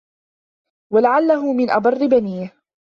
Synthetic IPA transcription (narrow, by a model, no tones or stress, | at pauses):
walaʕalːaɦʊmɪnʔɑbɑrˤːɪbaniːh